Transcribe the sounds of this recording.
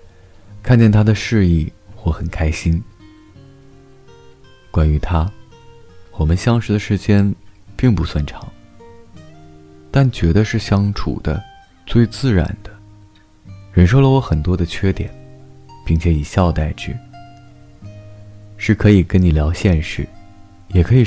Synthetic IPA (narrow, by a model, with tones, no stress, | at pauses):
kʰa˥˧nt͡ɕjɛ˥˩nt̪ʰa˥d̪ə˨ʂɻ̩˥˧i˥˩xwɔ˥˩xə˨˩nkʰa˥ɪɕi˥n | kwa˥ny˧˥t̪ʰa˥ | wɔ˨˩mə˦nɕjɑ˥ŋʂɻ̩˧˥d̪ə˧ʂɻ̩˧˥t͡ɕjɛ˥npi˥˩ŋpu˧˥swa˥˩nʈ͡ʂʰɑ̥˧˥˦ŋ | t̪a˥˩nt͡ɕɥɛ˧˥d̪ə˧ʂɻ̩˥˩ɕjɑ˥ŋʈ͡ʂʰṵ˨˩d̪̥ə̰˦ | t͡swe˥˧ɪt͡sɹ̩˥˩ɻa̰˨˩˦nd̪̥ə̥˦ | ɻə˧˥nʂo˥˩ʊlə˩wɔ˧˥xə˨˩nt̪wɔ˥d̪ə˨t͡ɕʰɥɛ˥t̪jɛ̰˨˩˦npi˥˩ŋt͡ɕʰjɛ˧˥i˨˩ɕjɑ˥˧ʊt̪a˥˩ɪʈ͡ʂɻ̩˥˩ | ʂɻ̩˥˩kʰɤ˧˥i˨˩kə˥nni˨˩ljɑ˧˥ʊɕjɛ˥˧nʂɻ̩˥˩ | jɛ˨˩kʰɤ˧˥i˨˩